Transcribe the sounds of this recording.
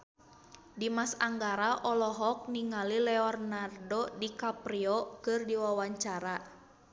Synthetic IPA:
dimasaŋɡaɾaʔɔlɔɦɔk̚niŋalilɛɔrnardɔdikapriɔkɨrdiwawaɲt͡ʃaɾa

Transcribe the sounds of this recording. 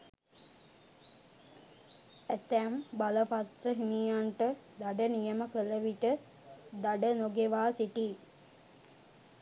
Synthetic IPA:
æt̪æmbaləpat̪rəɦimijaɳʈə | d̪aɖənijəməkələʋiʈə | d̪aɖənoɡeʋaːsiʈi

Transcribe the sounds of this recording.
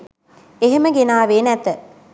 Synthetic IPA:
eɦeməɡenaːʋeːnɛt̪ə

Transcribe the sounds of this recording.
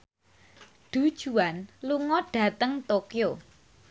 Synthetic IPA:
ɖ̪̥ṳd̥ʒ̥uanluŋɔɖ̥ä̤t̪əŋt̪okijo

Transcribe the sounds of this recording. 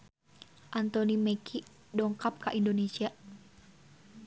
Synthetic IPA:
ʔant̪ɔnimɛkʰi | dɔŋkap̚kaʔindonesia

